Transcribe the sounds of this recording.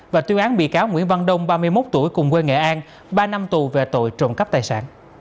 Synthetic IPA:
vaː˨˩t̪wi˧əŋʔaː˨˦nɓḭ˧˨kaː˨˦wŋwḭ˧˥ənva˧nɗə˧wŋ͡mɓaː˧mɨ˧əjmo˦˥t̚t̪u˧˩əjkʊ˨˩ŋ͡mkwe˧ŋḛ˧˨ʔaː˧n | ɓaː˧na˧mt̪u˨˩ve˨˩t̪o̰˧˨jt͡ɕo˨˩nkə˦˥p̚t̪aː˨˩jsa̰ː˧˨n

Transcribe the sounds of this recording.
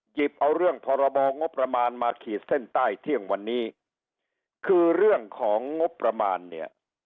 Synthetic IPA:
ji˨˩p̚ʔa˧wɾɯ˥˩əŋpʰɔː˧ɾa˧bɔː˧ŋo˦˥pːɾa˧maː˧nmaː˧kʰiː˨˩t̪̚se˥˩nt̪aː˥˩jt̪ʰi˥˩əŋwa˧nːiː˦˥ | kʰɯː˧ɾɯ˥˩əŋkʰɔː˩˦ŋːo˦˥pːɾa˧maː˧nːi˥˩ɐ

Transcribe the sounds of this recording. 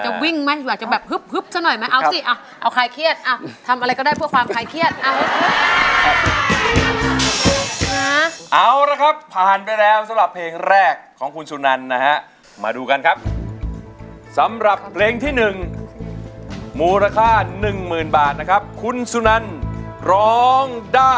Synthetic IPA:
t͡ɕa˨˩wi˥˩ŋma˦˥˩jaː˨˩k̚t͡ɕa˨˩bɛː˨˩p̚hɯ˦˥p̚hɯ˦˥p̚sa˧˥nɔ˨˩jma˦˥jʔa˧wsi˧˨˩ʔa˧˩w | ʔa˧˩wkʰaː˧˩jkʰi˦˥˩ət̪̚ʔa˧˩wt̪ʰa˧mʔa˧ɾa˧jkɔː˥˩daː˥˩jpʰu˥˩əkfaː˧mkʰaː˧˩jkʰi˦˥˩ət̪̚ʔa˧˩w | a˦ʔa˧˩wla˦˥˩kʰa˦˥pʰːaː˨˩npa˧jlɛː˦˥wsa˨˦mɾa˨˩pʰleː˧ŋɾɛː˥˩kʰːɔː˩˦ŋkʰu˧nsu˧na˧nːa˦˥ha˦˥ʔ | ma̰ː˧duː˧ka˧nkʰa˦˥p̚ | sa˩˦mɾa˨˩pʰːleː˧ŋt̪ʰiː˥˩nɯ˨˩ŋ | muː˧ɾa˧kʰaː˥˩nɯ˨˩ŋmɯː˨˩nbaː˨˩t̪̚na˦˥kʰa˦˥p̚kʰu˧nsu˧na˧nɾɔː˦˥ŋdaː˥˩

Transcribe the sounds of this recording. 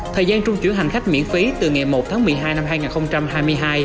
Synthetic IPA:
t̪ʰəː˨˩jzaː˧nt͡ɕʊ˧ŋ͡mt͡ɕwḭ˧˥ənɦa˨˩ŋ̟xa˦˥jk̟̚mḭ˧˥ənfi˨˦t̪ɨ˨˩ŋa˨˩mo˨˩t̚t̪ʰaː˨˦ŋmɨ˨˩əjɦaː˧jna˧mhaː˧jŋaː˨˩nxə˧wŋ͡mt͡ɕa˧mɦaː˧jmɨ˧əjɦaː˧j

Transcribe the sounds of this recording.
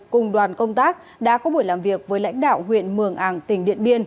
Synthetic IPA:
kʊ˨˩ŋ͡mɗwaː˨˩nkə˧wŋ͡mt̪aː˦˥k̚ | ɗa̰ː˧˥kɔ˨˦ɓu˧˩jlaː˨˩mvi˨˩ək̚vəː˨˦jla̰˧˥jŋ̟ɗa̰ː˧˨wɦwḭ˧˨ənmɨ˧˩əŋʔaː˧˩ŋt̪ï˧˩ŋ̟ɗḭ˧˨ənɓi˧ən

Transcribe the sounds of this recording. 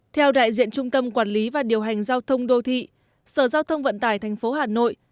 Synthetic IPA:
t̪ʰɛ˧wɗa̰ː˧˨jzḭ˧˨ənt͡ɕʊ˧ŋ͡mt̪ə˧mkwaː˧˩nli˨˦vaː˨˩ɗi˨˩əwɦa˨˩jŋ̟zaː˧wt̪ʰə˧wŋ͡mɗo˧t̪ʰḭ˧˨ | səː˧˩zaː˧wt̪ʰə˧wŋ͡mvə̰˧˨nt̪aː˧˩jt̪ʰɛ˨˩jŋ̟fo˨˦ɦaː˨˩no̰˧˨j

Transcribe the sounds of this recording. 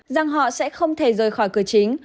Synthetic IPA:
za˨˩ŋɦɔ̰˧˨sɛ̰˧˥xə˧wŋ͡mt̪ʰe˧˩zəː˨˩jxɔː˧˩jkɨ˧˩ət͡ɕï˨˦ŋ̟

